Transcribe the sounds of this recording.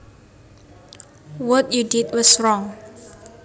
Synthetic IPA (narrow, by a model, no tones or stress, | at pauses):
wɔtjudidwɔsɹɔ̃ŋ